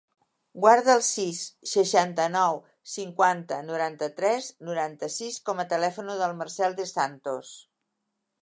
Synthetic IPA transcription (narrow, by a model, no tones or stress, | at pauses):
ɡwaɾðəːlˠsisːəʃant̪ənɔw | siŋkwant̪ənuɾant̪ət̪ɾɛznuɾant̪əsiskɔmət̪əlɛfunuðəlˠmərsɛlˠd̪əsant̪os